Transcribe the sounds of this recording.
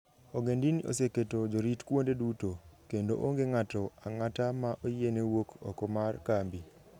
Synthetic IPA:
oɡendinio̰seketod͡ʒoɾitkwondedutokendo̰ʔoŋɡeŋatɔaŋatamaʔojienewokɔ̰kɔmarkambi

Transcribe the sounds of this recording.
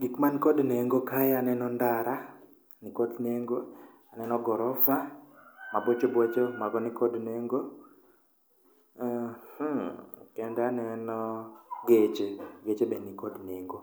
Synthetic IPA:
ɡikmankodneŋɡokajanɛnɔndaɾa | nɪkodneŋɡo | anɛnɔɡɔɾɔfamabɔt͡ʃɔbwot͡ʃɔmaɡɔnikɔdneŋɡo | hukɛndanɛnɔɡet͡ʃeɡet͡ʃebenikodneŋɡo

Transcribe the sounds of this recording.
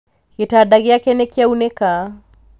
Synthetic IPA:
ɣetaːdaɣeakɛnɛkiaunɛkaː

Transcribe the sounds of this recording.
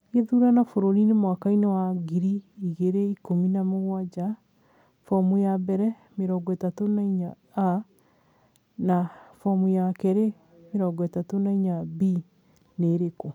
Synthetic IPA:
ɣeðuɾanafoɾoɾinemwakainɛwaɡiɾiiɣeɾeikominamoɣwad͡ʒa | fɔmujabɛɾɛ | meɾɔɡɔɛtatonaiɲaː | nafɔmujakɛɾe | meɾɔɡɔɛtatonaiɲabi | neɾeko

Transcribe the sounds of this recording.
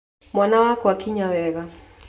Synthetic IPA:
mwanawakɔwakiɲawɛɣa

